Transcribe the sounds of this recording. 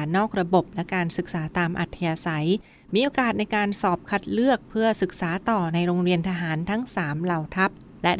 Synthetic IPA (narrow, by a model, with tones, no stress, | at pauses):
nɔː˥˩k̚ɾa˧bo˨˩p̚lɛ˦˥kaː˧nsɯ˨˩k̚saː˩˦t̪aː˧mʔa̰˨˩t̪ʰːa˧jaː˧sa˩˦j | miː˧ʔoː˧kaː˨˩t̪̚na˧jkaː˧nsɔː˨˩p̚kʰa˦˥t̪̚lɯ˥˩ək̚pʰɯ˥˩ɐsɯ˨˩k̚saː˩˦t̪ɔː˨˩na˧jɾoː˧ŋɾi˧ənt̪ʰa˧ɦaː˩˦nt̪ʰa˦˥ŋsaː˩˦mla˨˩wt̪ʰa˦˥p̚ | lɛ˦˥